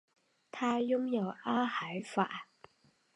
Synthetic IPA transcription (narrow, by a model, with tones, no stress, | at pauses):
t̪ʰaː˧jjʊ˥ŋjɐ˨waː˥hɐ˨˥jfa̰ː˧˩